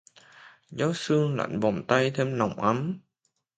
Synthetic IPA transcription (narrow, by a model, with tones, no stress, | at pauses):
zɔ˨˦sɨ˧əŋla̰˧˨nvɔ˨˩nt̪a˧jt̪ʰe˧mna˨˩wŋ͡mʔa˨˦m